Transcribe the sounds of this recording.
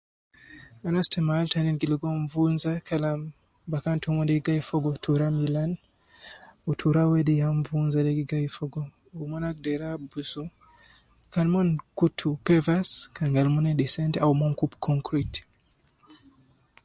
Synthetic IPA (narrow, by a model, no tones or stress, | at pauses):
anastɛmaːltaninɡiliɡɔɱvunzakʰalam | bakantʰumɔndɛɡiɡaifɔɡɔtʰuɾamilan | utʰuɾawɛdijaɱvunzadɛɡiɡaifɔɡɔ | umɔnak̚dɛɾabusu | kalmɔnkutʰupɛvaskaŋɡalmunɛdisɛntaumɔŋkupkʰɔŋkɾit